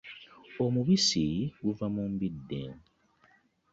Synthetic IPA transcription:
o̞muβisiɡuvamumbidːḛ

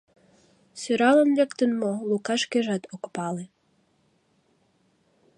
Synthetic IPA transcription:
søɾɑlənlekt̪ənmolukɑʃkeʒɑt̪okpɑle

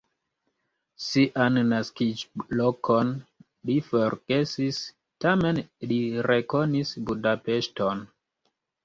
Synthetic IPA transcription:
siʔanːaskid͡ʒlokʰon | lifoɾɡ̥e̞sis | tamenliɾekonisbudapeʃton

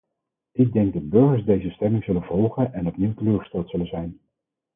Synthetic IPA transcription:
ʔɪɡ̚dɛŋkɡ̚dɑdbɵɹχəɹsdejzəstɛmɪŋzɵlənvɔlˠχənɛnɔpniwtəløːχə̥stɛlˠtsɵlənzɛjn

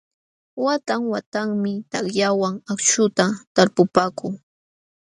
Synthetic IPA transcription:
wat̪aŋwat̪aŋmɪt̪akjawaŋakt͡ʃʊt̪at̪aɾpʊpaːkʊŋ

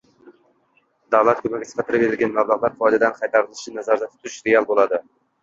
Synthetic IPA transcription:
d̪awlˠat̪̚kʰʲɵmaɡʲasʰqʰɑt̪ʰɪɾɪpbeɾɪlɡʲanmablˠaʁlˠaɾfɒjd̪ad̪anqʰɑjt̪ʰɑɾɨlˠɪʃɪnazaɾd̪at̪ʰʊ̥t̪ʰːʊɾɪʃɾeɑlˠbolˠɑd̪ɪ

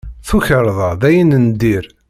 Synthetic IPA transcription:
θuçəɾˤðˤɑðæjənənd̪iɾ

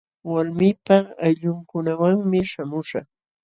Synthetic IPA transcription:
walmɪpaajʎʊŋkʊnawaŋmɪʃamʊʃɑ̰χ

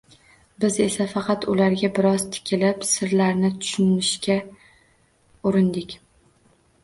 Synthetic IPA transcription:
bɪze̞safɑqʰɑt̪ʊlaɾɡʲabɪɾɒz̥t̪ʰɪ̥kʲʰɪlɪpsɪɾlaɾnɪt̪ʰʊ̥ʃʊnɪʃkʲa | ʊɾɪnd̪ɪkʲ

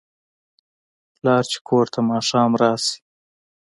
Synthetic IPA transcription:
lɑːɾt͡ʃe̥kʰoɾt̪ʰamɑʃɑːmɾɑːsi̥

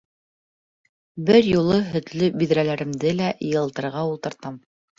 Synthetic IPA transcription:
bɘɾjulˠɤɦɵ̆t̪lɵbiðɾælæɾɘ̆md̪ɘlæʔjɤ̆lˠt̪ɤ̆ɾʁɑulˠt̪ɤ̆ɾt̪ɑm

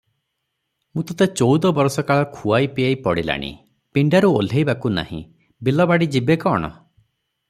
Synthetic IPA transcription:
mũt̪ɔt̪et͡ʃowd̪ɔbɔɾsɔkaɭɔkʰuajpiajpɔɽila̰ɽ̃ḭ | piɳɖaɾuol̤ʱejbakuna̰hḭ̃ | bilɔbaɽid͡ʒibekɔɽ̃ɔ̰

